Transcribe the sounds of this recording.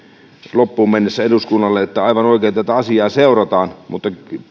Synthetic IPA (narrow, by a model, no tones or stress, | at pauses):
lopːuːmmenːesːæeduskunːɑlːeet̪ːæɑiʋɑnoˑikeːnt̪æt̪æɑsiɑːseˑurɑt̪ɑːnmut̪ːɑ